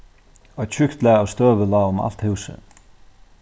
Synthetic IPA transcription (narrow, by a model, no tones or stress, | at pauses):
ɔt͡ɕʰʏkt̪lɛːawst̪œːʋəlaːʊma̰l̥t̪hʉwsə̰